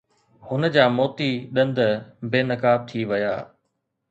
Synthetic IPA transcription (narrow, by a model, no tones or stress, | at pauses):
hʊnəd͡ʑaːmoːt̪iɗɐ̃nd̪beːnɐkaːb̚t̪ʰiʋɐja̰ː